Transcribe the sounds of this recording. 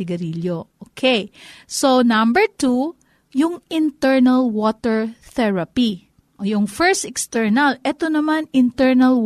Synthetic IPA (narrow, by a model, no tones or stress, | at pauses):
ɪɡɐɾiljoʔokʰɛjsonãmbɛɹt̪u | jʊŋɪnt̪ɛɹnɐlwot̪ɛɹθɛɹɐpi | ʔojʊŋfɛɹst̪ɛkst̪ɛɹnɐlɛt̪onɐmanɪnt̪ɛɹnɐl